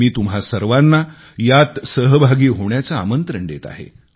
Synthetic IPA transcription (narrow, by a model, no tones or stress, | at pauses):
iːt̪umɦasəɾʋanːa | jat̪səɦəbʱaɡiːɦoɳjat͡saːmənt̪ɾəɳɖet̪a̰ɦḛ